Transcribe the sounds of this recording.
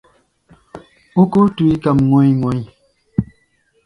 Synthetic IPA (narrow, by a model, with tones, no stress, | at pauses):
u˦ku˦tu˨i˦ka˨mŋo˨jŋo˨j